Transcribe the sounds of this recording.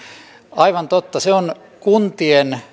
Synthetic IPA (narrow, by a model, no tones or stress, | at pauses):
ɑiʋɑnt̪ot̪ːɑseon | kunt̪ien